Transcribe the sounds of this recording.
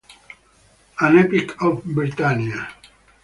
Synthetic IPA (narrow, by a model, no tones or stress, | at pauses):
anɛpikʰɔvbɾit̪anja